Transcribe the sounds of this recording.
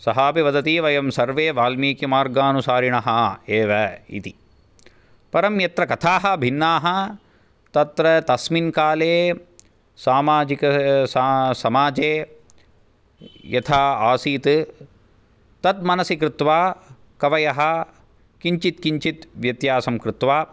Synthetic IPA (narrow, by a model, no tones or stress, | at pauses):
sɐɦaːpiʋɐd̪ɐt̪iːʋɐjɐmsɐɾʋeːʋaːlmiːkimaːɾɡaːnusaːɾiɳɐɦɐeːʋɐḭt̪i | pɐɾɐmjɐt̪ɾɐkɐt̪ʰaːɦɐbʱinːaːɦɐ | t̪ɐt̪ɾɐt̪ɐsminkaːleː | saːmaːd͡ʒikɐssɐmaːd͡ʒeː | jɐt̪ʰaːaːsiːt̪ | t̪ɐt̪̚mɐnɐsikɾɪt̪ʋaː | kɐʋɐjɐɦɐ̆ | kiɲt͡ʃit̪kiɲt͡ʃit̪ʋjɐt̪jaːsɐmkɾɪt̪ʋaː